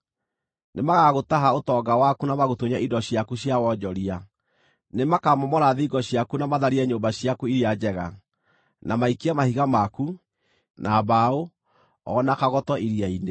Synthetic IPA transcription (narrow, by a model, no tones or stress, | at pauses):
nemaɣaɣotaɦaotɔɡawakunamaɣotuɲaʔidɔɕjakuɕjawɔd͡ʑɔɾia | nemakamɔmɔɾaðiɡɔɕjakunamaðaɾiɛɲoːmbaɕjakuiɾiad͡ʑɛɣa̰ | namaikiamahiɣamaku | naβao | ɔnakaɣɔtɔʔiɾiaine